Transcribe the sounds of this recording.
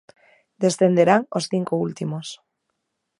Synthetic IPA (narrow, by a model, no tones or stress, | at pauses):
d̪esθend̪eɾaŋosθiŋkoult̪imos